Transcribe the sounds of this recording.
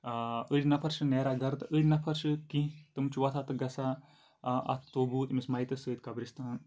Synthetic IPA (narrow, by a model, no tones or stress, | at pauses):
əɾʲnɐpʰɐɾʃɨneːɾaɡɐɾt̪ɨʔəɾʲnɐpʰɐɾʃɨkit̪ɨmt͡ʃuʋɐt̪ʰat̪ɨɡɐsa | ɐ̰t̪ʰt̪oːbuːt̪mismɐjit̪ɐsəːt̪ʲkɐbɾist̪aːn